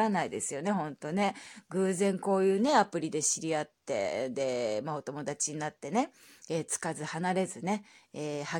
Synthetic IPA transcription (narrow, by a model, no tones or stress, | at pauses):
anaid̪e̞sɨjo̞ne̞hõ̞nt̪o̞ne̞ɡɯ̟ːzẽ̞ŋko̞ːjɯ̟ːne̞apɯ̟ɾʲid̪e̞ɕiɾʲiat̪ːe̞̰d̪e̞mao̞t̪o̞mo̞d̪at͡ɕiɲ̟inat̪ːe̞ne̞ | eːt͡sɨ̥kazɨhanaɾe̞zɨne̞eːha